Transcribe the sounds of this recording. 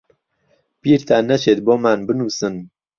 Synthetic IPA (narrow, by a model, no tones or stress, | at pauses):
piːɾt̪ʰaːnɐʃeːt̪̚boːmaːnbɨnuːsɨn